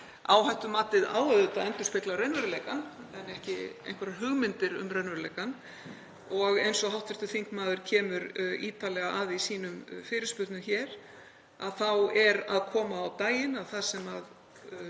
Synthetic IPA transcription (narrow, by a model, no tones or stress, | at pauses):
a̰ːwɦajht̪ʏmaːt̪ɪða̰ːwœðʏt̪aðɛnt̪ʏ̥spɪklawɾɛjnvɛɾʏlejkanɛnɛhcɪ̰ḛjŋkvɛɾaɦʏɣmɪnt̪ɪɾʏ̰mrɛnvɛɾleːjkan | ɔɣejnsɔɦawht̪vɪɾ̥t̪ʏθiŋ̥kmaːðʏɾ̥cʰɛːmʏɾiːt̪alɛɣaʔaðiisiːnʏmfɪːɾɪ̥spʏɾt̪nʏmçɛːɾ̥ | a̰ðθawɛɾaðkʰɔːmaːwt̪aːjɪnaðθaðsɛmað